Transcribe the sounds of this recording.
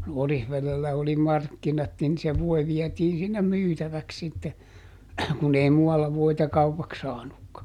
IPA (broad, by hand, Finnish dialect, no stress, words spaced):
orihʋelelːæ oli mɑrkːinɑt nin se ʋoi ʋiɛtiːn sinːem myːtæʋæks sitːe kun ei muɑlːɑ ʋoitɑ kɑupɑks sɑːnukːɑ